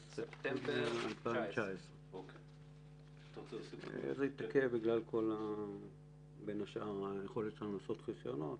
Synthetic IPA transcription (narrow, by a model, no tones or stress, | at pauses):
sept̪embealpaivet͡ʃaesʁe | zeit̪akebiɡlalkʰo̞la | be̞naʃaʁajeχo̞let̪lanulaso̞t̪χisjo̞no̞t̪